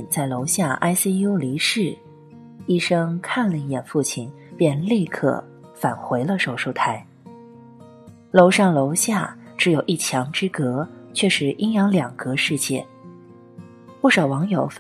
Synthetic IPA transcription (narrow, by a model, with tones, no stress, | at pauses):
nt͡sa˥˩ɪlo˧˥ʊɕja˥˩ʔa̰˥ɪsi˥ju˥li˧˥ʂɻ̩˥˩ | i˥˩ʂɤ˥ŋkʰa˥˩nlə˩i˥˩jɛ˨˩nfu˥˩t͡ɕʰi˥˩n | pjɛ˥˧nli˥˧kʰɤ̰˥˩ | fa˨˩nxwe˧˥ɪlə˧ʂo˨˩ʊʂo˥˧ʊt̪ʰa˥˩ɪ | lo˧˥ʊʂɑ˥˩ŋlo˧˥ʊɕja˥˩ | ʈ͡ʂɻ̩˧˥jo˨˩ʊʔi˥˩t͡ɕʰjɑ˧˥ŋʈ͡ʂɻ̩˥kɤ˧˥t͡ɕʰɥɛ˥˩ʂɻ̩˧˥ʔi˥ŋjɑ˧˥ŋljɑ˨˩ŋkɤ˧˥ʂɻ̩˥˧t͡ɕjɛ˥˩ | pu˥˩ʂɑ˨˩ʊwɑ˧˥ŋjo˨˩ʊf